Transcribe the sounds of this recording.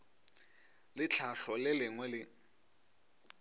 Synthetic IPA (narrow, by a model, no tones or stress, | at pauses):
lɪt͡ɬʰaɬɔlɪlɪŋwɛlɪ